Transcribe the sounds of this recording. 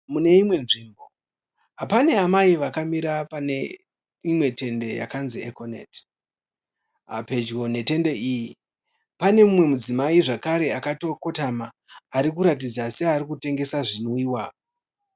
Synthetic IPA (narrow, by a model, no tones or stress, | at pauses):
mune̞imwe̞nʐiːmbo̞ | ɦapane̞amaiʋakamiɾapanḛ | imwe̞te̞nde̞ja̰kanziekonḛt | a̰pe̞d͡ʒɡo̞ne̞te̞nde̞iːji | pane̞mumwe̞mud͡zimaiʐakaɾe̞akato̞ko̞tamaː | ɾikuɾatid͡zaseaɾikute̞ŋɡe̞saʐinoiːwaː